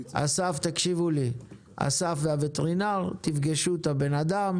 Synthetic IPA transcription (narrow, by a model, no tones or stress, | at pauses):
a̰saft̪akʃivuli | a̰safveavet̪eʁinaʁt̪ifɡeʃut̪abe̞nad̪am